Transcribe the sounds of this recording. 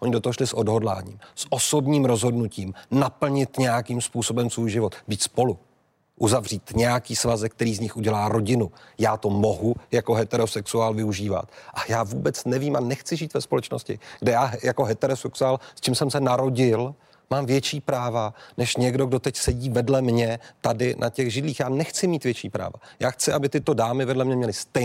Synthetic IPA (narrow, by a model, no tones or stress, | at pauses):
ʔoɲɪdo̞t̪oɦoʃlɪsʔo̞dɦo̞dla̰ːɲḭːmsʔo̞so̞bɲiːmɾo̞zɦo̞dnuciːmnapl̩ɲɪt̪ɲɛjakiːmspuːso̞bɛmsvuːjʒɪvo̞t̪biːt̪spo̞lu | ʔuzavriːt̪ɲɛjakiːsvazɛk̚t̪ɛɾiːzɲɪxʔuɟɛlaːɾo̞ɟɪnujaːt̪o̞mo̞ɦujako̞ɦɛt̪ɛɾosɛksuaːlvɪuʒiːva̰t̪ʔajaːvuːbɛt͡snɛviːmʔanɛxt͡sɪʒiːt̪vɛspolɛt͡ʃnoscɪ̰ɡ̥dɛjaːɦjako̞ɦɛt̪ɛɾosɛksuaːlst͡ʃiːmsɛmsɛnaɾo̞ɟɪl | maːmvjɛt͡ʃiːpɾaːvanɛʃɲɛɡdo̞ɡdo̞t̪ɛcsɛɟiːvɛdlɛmɲɛt̪adɪnʔacɛɣʒɪdliːxjaːnɛxt͡sɪmiːt̪vjɛt͡ʃiːpɾa̰ːva̰jaːxt͡sɪʔabɪt̪ɪt̪o̞daːmɪvɛdlɛmɲɛmɲɛlɪst̪ɛ